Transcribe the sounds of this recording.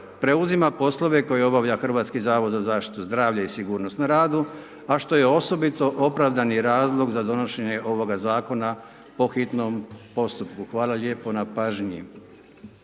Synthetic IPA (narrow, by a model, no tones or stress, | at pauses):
pɾe̞uzimapo̞slˠo̞ʋe̞ko̞jeo̞baʋʎaxr̩ʋaːt̪skizaːʋod̪zazaːʃt̪i̥t̪uzd̪ɾaːʋʎaisiɡuːɾnost̪naɾaːd̪u | aʃt̪o̞je̞o̞so̞bit̪o̞ʔopɾaʋd̪aniɾaːzlˠo̞ɡzad̪o̞no̞ʃe̞ɲe̞ʔo̞ʋo̞ɡazaːko̞na | po̞xit̪nompo̞st̪upkuxʋaːlalʲjeːpo̞napaʒɲḭ